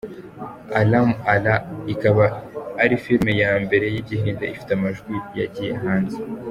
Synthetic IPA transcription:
alamalaikaβaːɾifilmejaːmbe̞ɾe̞jiɟiɦiːndaifi̥teamaʒɡwija̰ɟijḛɦaːnze

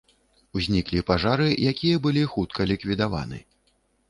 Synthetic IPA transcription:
wzʲnʲiklʲipaʐaɾɨjʔakʲijɐbɨlʲixut̪̚kʰɐlʲikvʲid̪ava̰nɨ̰

